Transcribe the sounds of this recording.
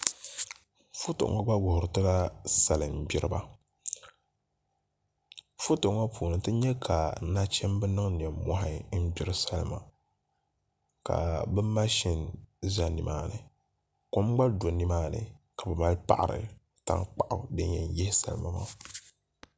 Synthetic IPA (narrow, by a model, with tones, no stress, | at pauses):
fu˦to̰˨ʔŋa˦ɡ͡ba˦ɡʊ˨hʊ˨ɾɨ˨tɨ˦ɡa˦sa˨lɨ˨m˨bɪ˦ɾɨ˦ba˨ | fu˦to˨ŋa˦puː˨nɨ˨tɨ˦ɲɛ˦kʰa˨˦na˦t͡ʃɛ˦mbɨ˦nɨ˦ŋn˨ɛ˨mmɔ˦ɦa˨˦n̩˦bi˦ɾɨ˦˨sa˦lma̰˨ | ka̰˨bɨ˦ma˦ʃi˨nza˦ni˨maː˦˨nɨ˨ | ko˦m˦ɡ͡ba˦do˨ni˦maː˦nɨ̰˨ka˨bɨ˨ma˦lpa̰˦˨ʔɾɨ̰˨ | ta̰˦ŋk͡pa˨ʔa̰˨dɨ˦ɲ˦jɛ˨n˨jɛ˦hɪ˦sa̰˨lma˨ma̰ː˦